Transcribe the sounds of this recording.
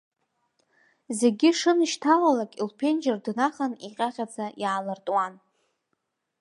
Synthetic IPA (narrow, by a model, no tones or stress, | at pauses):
zeɡʲɪʂɨnʃtʰawalakʲʼilpʰe̞nd͡ʒɪrdnaχaniqʲʼaχʲad͡zajaːlartʼwan